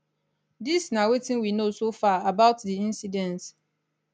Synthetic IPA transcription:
disnawetɪ̃nwinosofaabaʊtðiĩnsidɛ̃nt

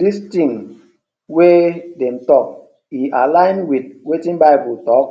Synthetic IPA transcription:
distĩŋ | wedɛ̃mtɔk | iʔalãɪ̃nwid̚wetĩnbaɪbutɔk

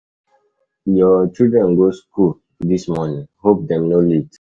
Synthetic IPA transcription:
jɔt͡ʃidɹɛ̃nɡoskul | dismɔnĩŋhop̚dɛ̃mnolit

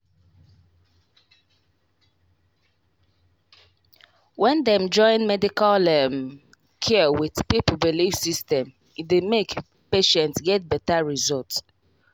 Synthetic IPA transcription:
wɛ̃ndɛmd͡ʒɔ̃ɪ̃nmɛdikalɛm | kʰɛwidpiplbilifsistɛ̃m | idemek | peʃɛ̃ntsɡɛt̚bɛtaɹizɔlts

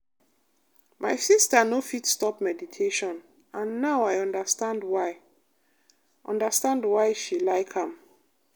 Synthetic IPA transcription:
majsistənofitstɔpmɛditʰeʃɔ̃n | ãnːaʊajɔ̃ndəstãndwaɪ | ʔɔ̰̃ndəstãndwajʃilaɪkhãm

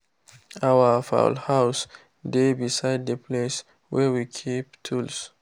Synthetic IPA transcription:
awəfa̰ʊlhaʊs | debisaɪd̚dəpʰles | wɛwikʰip̚tʰuls

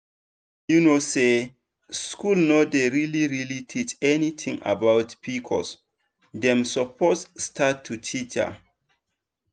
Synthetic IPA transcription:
junose | skulnodeɹiliɹilitʰit͡ʃɛnit̪ʰĩŋa̰bawtpʰikʰɔ̰ls | dɛ̃msəpʰosstʰatʰːutʰit͡ʃa̰

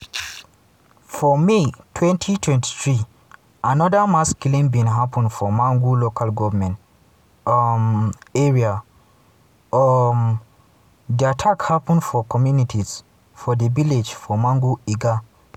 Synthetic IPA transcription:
fɔmitʰwɛ̃ntʰitʰwɛ̃nti̥θɹi | ʔanɔdəmaskulĩŋbĩnɦapə̃nfɔmãŋɡulokalɡɔvəmɛ̃nt | mɛɹia | m | diatʰakhapə̃nfɔkɔmjunitʰiz̥ | fɔdəviled͡ʒfɔmãŋɡuiɡa

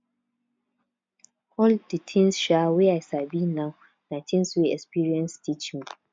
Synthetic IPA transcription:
hɔlditʰɪ̃nsʃaweajsabinaw | natʰĩnsweɛkspiɹiɛ̃nstʰit͡ʃmi

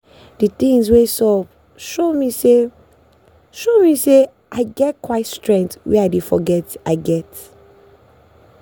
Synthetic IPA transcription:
dit̪ĩŋswesɔp | ʃomise | ʃomise | ʔaɪɡɛt̚kwaɪtstɹɛ̃ŋk̚twɛaɪdefɔ̰ɡɛtaɪɡɛt

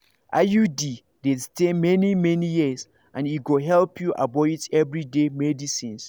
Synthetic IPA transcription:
ʔajudi | destemɛnimɛnijis | ʔãniɡoɦɛlpʰjuʔa̰bɔitʰɛvɹidemɛdisĩns

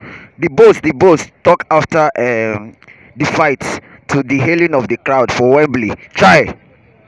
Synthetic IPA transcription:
dəbosdəbostɔkaftəʔɛ | difaɪt | tʰːudəɦelĩŋɔfdəkɹawdfɔwɛ̃mblitʰɹaɪ

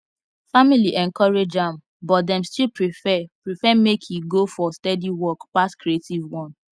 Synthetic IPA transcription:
familiʔɛ̃nkɔɹed͡ʒãm | bɔt̚dɛ̃mstilpɹiɛpɹifɛmekʰjuɡofɔstɛdiwɔkpaskʰɾietivwɔ̃n

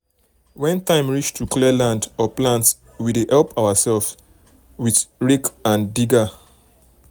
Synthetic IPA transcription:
wɛ̃ntãɪ̃mɹit͡ʃtʰuklɛlãndɔplãnts | wideʔɛlˠpʰaʊəsɛlfs | wiθɹikãndiɡa

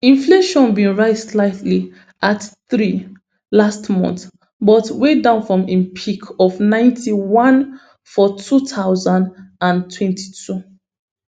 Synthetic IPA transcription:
ĩnfleʃɔ̃nbĩnɹaɪstlaɪtʰli | ʔatθɹi | lastmɔ̰̃nθ | bɔtwedãʊ̃nfɹɔ̃mẽpʰikʰɔfnãɪ̃ntʰiwɔ̃n | fɔtʰutʰaʊzãndãntʰwɛ̃ntʰi̥tʰu

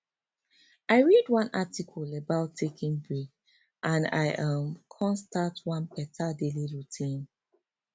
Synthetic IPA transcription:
aɪɹidwãnatikʰɔləbaʊtʰːekĩŋbɹik | ʔãna̰jʔʌ̃mkʰɔ̃nstatwãnpɛtʰadeliɹutʰĩn

